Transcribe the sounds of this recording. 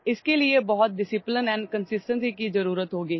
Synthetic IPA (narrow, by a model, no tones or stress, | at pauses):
ɪskeːlɪeːbɔːt̪̚ɖɪsɪplənɛ̃ːnkənsɪsʈənsiːkiːzəɾuːɾət̪ɦoːɡiː